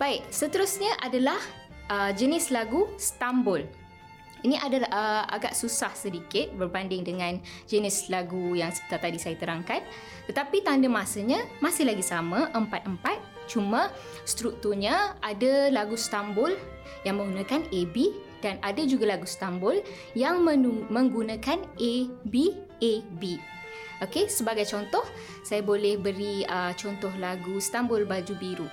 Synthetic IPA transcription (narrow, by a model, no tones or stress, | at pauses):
b̥aɪʔ̚sət̪əɾʊsɲaʔadalah | ʔəd͡ʒənɪslaɡust̪ambʊl | iniʔadaaəʔa̰ɡa̰ʔsusahsədikɪt̪̚bərbandɪŋdəŋãnd͡ʒənɪslaɡujaŋsə̥i̥t̪at̪adisajat̪əɾaŋkat̪̚ | t̪ːət̪apit̪andəmasəɲãmasɪhlaɡisamãʔəmpat̪̚əmpat̪̚ | t͡ʃumə̃ | st̪ɾuk̚t̪urɲə̃adalaɡust̪ambʊl | jaŋmə̃ŋɡunãkanebi | d̥anadad͡ʒuɡalaɡust̪ambʊl | jaŋməmə̃ŋɡunakanʔebi | ebi | okesəbaɡajt͡ʃɔnt̪ɔh | sajabolɛhbəɾiət͡ʃɔnt̪ɔhlaɡust̪ambʊlbad͡ʒubiɾu